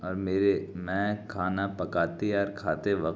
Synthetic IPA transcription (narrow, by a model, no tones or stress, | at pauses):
ɔːɾmeːɾemɛ̃kʰaːnapɐkaːt̪eaːɾkʰaːt̪eʋɐk